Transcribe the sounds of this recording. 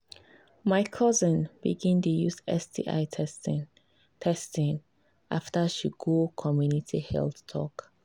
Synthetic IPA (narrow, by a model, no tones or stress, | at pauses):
maɪkʰɔzə̃nb̥ḭɡĩntujuzɛ̰sdḭʔa̰ɪs | tʰɛstĩŋ | ʔaftaʃiɡokʰɔmjunitʰihɛ̰lθtʰɔ̰k